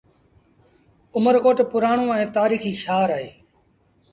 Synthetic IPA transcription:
ʊməɾkoːʈpʊɾaːɳ̃õːɛ̃ːt̪aːɾiːxiːʃaːɾaːɦeː

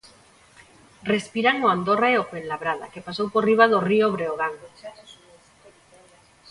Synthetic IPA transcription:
respiɾaŋoand̪oraeokwenlaβɾaða̰kepasowporiβ̞aðorioβɾeoɣ̞aŋ

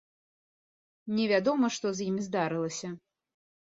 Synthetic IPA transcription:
nʲɛvʲad̪ɔmɐʂt̪ɔzjimʲizd̪aɾɨlˠɐsʲɐ

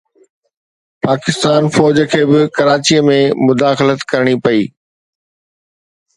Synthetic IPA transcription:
paːkɪst̪aːnfɔːd͡ʑəkʰeːbɪkɐɾaːt͡ɕiːəmẽmʊd̪aːxlət̪kɐɾɽ̃ipɐiː

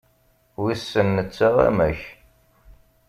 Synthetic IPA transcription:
wisːənːət͡sːəʁæ̰mæç

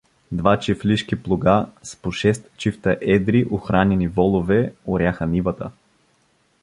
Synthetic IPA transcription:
d̪vat͡ʃɛfliʃkiplˠoɡaspoʃɛst̪t͡ʃift̪əʔɛd̪ɾiʔoxɾanʲɛnivɔlˠovɛoɾʲjaxənivət̪ə

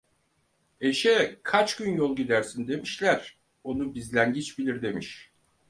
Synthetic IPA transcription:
e̞ʃɛkʰat͡ʃɟynjolˠɟid̪æɾsind̪e̞miʃlʲæɾ̥ | o̞nubizlʲænɟit͡ʃbilʲiɾd̪e̞miʃ

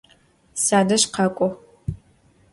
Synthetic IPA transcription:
saːdɐʃqɑkʷʼɔ

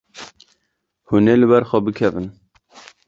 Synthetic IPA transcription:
huneːlɨbɛɾxʷɛbɨkʰɛvɨn

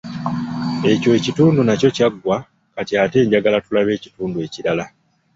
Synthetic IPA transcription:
e̞co̞ecituːndunaco̞caɡːwa | katiaːte̞ːɲɟaɡalatulaβe̞ːci̥tuːndue̞ciɾala

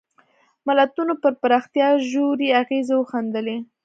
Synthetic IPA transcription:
malat̪unopəɾpaɾɑxt̪jɑʒoɾiaɣezawəxand̪əle

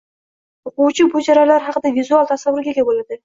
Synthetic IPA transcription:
oquwt͡ʃʰʊbʊlˠd͡ʒɑɾɑlˠɑɾχɑqəd̪ɑvʲizualˠt̪ʰɑsɑwʊɾɡʲeɡʲebolˠɑd̪ə

